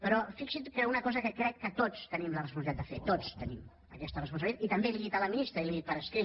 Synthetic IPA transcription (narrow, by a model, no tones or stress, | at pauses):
pəɾɔfiksit̪kəunəkɔzəkəkɾɛkːət̪ot͡st̪ənimlərəspulˠiat̪d̪əfet̪ot͡st̪ənim | əkɛst̪ərəspuns̬əliat̪it̪əmbeliɣit̪ələminist̪ɾəiliɣit̪̚pəɾəskɾi